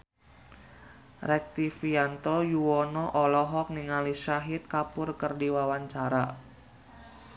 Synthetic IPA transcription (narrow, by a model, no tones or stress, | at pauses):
rɛk̚t̪ifiant̪ɔjuwɔnɔʔɔlɔɦɔk̚niŋaliʃaɦɪt̪̚kapʊrkərdiwawaɲt͡ʃaɾa